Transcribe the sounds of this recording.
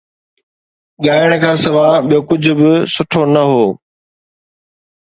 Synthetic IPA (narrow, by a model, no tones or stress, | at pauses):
ɠaːɪəɽ̃̆kʰãːsɐʋaːɓijokʊd͡ʑʱʊ̆bɪsʊʈʰonɐɦoː